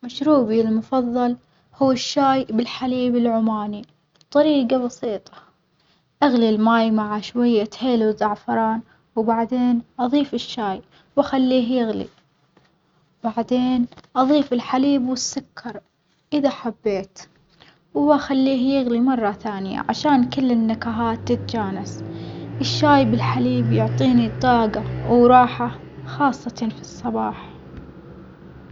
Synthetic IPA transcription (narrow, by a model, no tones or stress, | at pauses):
maʃɾuːbilmʊfɑðˤːɑl | huːɪʃːaːjbɪlħaliːbɪlʕʊmaːni | bt̪ˤːɑɾiːɡabɑsiːt̪ˤɑ̥ | ʔaɣlilmaːjmaʕaʃwajːat̪heːluzɑʕfɑɾˤɑːn | wbaʕd̪eːnʔɑðˤiːfɪʃːaːj | wʔaxalːiːɦjɪɣlḭ | baʕd̪eːnʔɑðˤiːfɪlħaliːbwɪsːʊkʰːɑɾˤ | ʔɪðaħabːeːt̪ | waxalːiːɦjɪɣlimɑrˤːɑθaːnɪja̰ʕa̰ʃaːnkɪlːɪnːakaɦaːt̪ːɪt̪ad͡ʒaːnasʔɪʃːaːjbɪlħaliːbjʊʕt̪ˤiːnit̪ˤɑːɡawɾˤɑːħa | xɑːsˤːɑfisˤːɑbɑːħ